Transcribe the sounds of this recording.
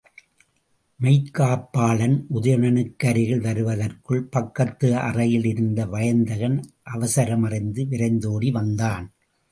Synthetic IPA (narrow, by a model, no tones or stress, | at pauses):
mɐɪt̪kːaːpːaːɭɐnʔʊðɐjɐɳɐnɯkːɐɾɪɣɐɭʋɐɾɯʋɐðɐrkɯɭpɐkːɐt̪ːɯɐ̰rɐjɪlɪɾɯnd̪ɐʋɐjɐnd̪ɐɣɐnʔɐʋɐsɐɾɐmɐrɐɪnd̪ɯʋɪɾɐɪnd̪oːɽiʋɐnd̪aːn